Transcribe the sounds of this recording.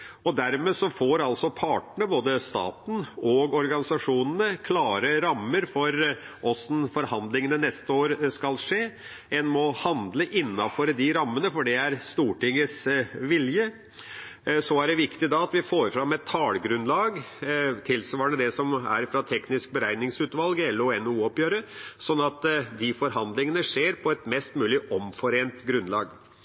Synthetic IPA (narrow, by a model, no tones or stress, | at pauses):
ɔd̪æɾmeːsɔfɔɾɑlsɔpʰɑːʈəɳəboːd̪əst̪ɑ̰ːt̪n̩ɔɡɔɾɡɑnɪsɑʂuːnənəkʰlɑːɾəɾɑmːəɾfɔɾʔɔsnfɔɾhɑnd̪lɪŋənənɛst̪əoːɾskɑlʂeː | ɛnmɔhɑnd̪ləʔɪnːɑfɔɾd̪ɪɾɑmːənəfɔɖɛæɾst̪uːʈɪŋːəsʋɪljə | sɔæɖɛʋɪkt̪ɪd̪ɑɑt̪ʋɪfoːɾfɾɑmɛt̪ʰːɑːlɡɾʉnlɑːɡt̪ʰɪlsʋɑːɾɳəd̪ɛsɔmæ̰ɾfɾɑt̪ʰɛknɪsk̚bəɾæɪnɪŋsʉːt̪ʋɑlɡɛlːɔɛnuːɔpjøːɾəsɔnːɑt̪d̪ɪfɔɾɦɑnd̪lɪŋənəʂeːɾpʰɔɛt̪mɛst̪mʉːlɪʔɔmfɔɾeːnt̪ɡɾʉnlɑ̰ːɡ